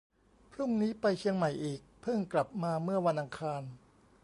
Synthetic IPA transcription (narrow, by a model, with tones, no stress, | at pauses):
pʰɾu˥˩ŋniː˦˥pa˧jt͡ɕʰi˧əŋma˨˩jʔiː˨˩k̚pʰɯ˥˩ŋkla˨˩p̚maː˧mɯ˥˩ɐwa˧nʔa˧ŋkʰaː˧n